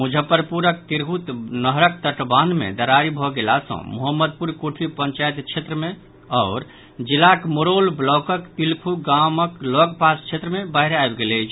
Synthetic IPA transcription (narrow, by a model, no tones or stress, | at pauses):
mud͡ʒʱəpəɾpuɾək̚t̪iɾɦut̪nəɦɾək̚t̪əʈband̪mḛd̪əɾaɾibʱɔɡelasə̰̃muɦəmːəd̪̚puɾkuʈʰipə̃ɲt͡ʃajt̪t͡ʃʰet̪ɾəmẽ | ɔːɾ | d͡ʒilakmoɾolblɔkəkt̪ilpʰuɡaməklɔɡpast͡ʃʰet̪ɾəmebaɦɾaebɡelet͡ʃʰ